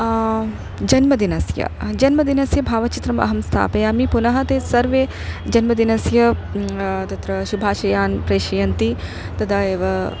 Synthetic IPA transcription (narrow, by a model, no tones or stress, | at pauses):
d͡ʒɐnmɐd̪inɐsjɐ̰d͡ʒɐnmɐd̪inɐsjɐbʱaːʋɐt͡ʃit̪ɾɐmɐ̰ɦɐmst̪ʰa̰ːpɐjɐmipunɐɦɐt̪eːsɐɾʋeː | d͡ʒɐnmɐd̪inɐsjɐ | t̪ɐt̪ɾɐʃubʱaːʃɐjaːnpɾeːʃɐjɐnt̪i | t̪ɐd̪ɐeːʋɐ